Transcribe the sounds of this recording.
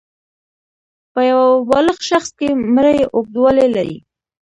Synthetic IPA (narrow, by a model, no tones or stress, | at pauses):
pəjawabɑləxʃaxskemɾəjʔok̚d̪walelaɾḭ